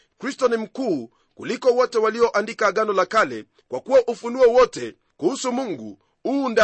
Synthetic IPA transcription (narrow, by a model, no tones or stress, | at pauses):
kɾistɔnim̩kuː | kulikɔwɔtɛwaliɔʔandikaɠanɔlakalɛ̰ | kwakuwaʔufunuɔwɔtɛ | kuhusumuŋɡṵ | unda